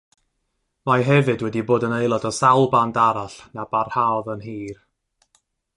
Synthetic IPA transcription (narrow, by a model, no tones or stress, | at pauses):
majɦɛvɨdwɛdiboːdənejlˠɔdɔsawlˠbandaɾaɬnab̥arhaðənɦiːr